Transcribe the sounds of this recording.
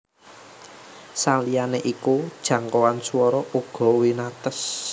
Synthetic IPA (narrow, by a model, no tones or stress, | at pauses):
salijaneʔikud̥ʒ̥ä̤ŋkɔwansuwɔɾɔʔuɡ̥ɔ̤winat̪əs